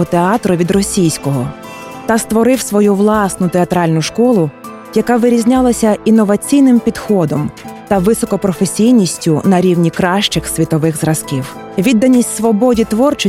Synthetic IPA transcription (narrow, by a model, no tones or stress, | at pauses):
ɔt̪eɑt̪ɾɔʋʲid̪rɔsʲijsʲkɔɦɔ | t̪ɐst̪ʋɔɾɪwsʋɔjuʋlˠɑsnʊt̪eɐt̪ɾɑlʲnʊʃkɔlˠʊ | jɐkɑʋɪɾʲizʲnʲɑlˠɐsʲɐinːɔʋɐt͡sʲijnɪmpʲid̪xɔd̪ɔmt̪ɐʋɪsɔkɔpɾɔfesʲijnʲisʲtʲʊnɐɾʲiwnʲikɾɑʃt͡ʃɪxsʋʲit̪ɔʋɪxzɾɐskʲiw | ʋʲid̪ːɐnʲisʲtʲsʋɔbɔdʲit̪ʋɔrt͡ʃɪ